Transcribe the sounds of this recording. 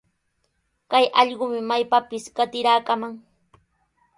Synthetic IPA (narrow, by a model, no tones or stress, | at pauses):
kajʔɑʎɢʊmɪmajpapɪsɢat̪ɪɾaːkamaŋ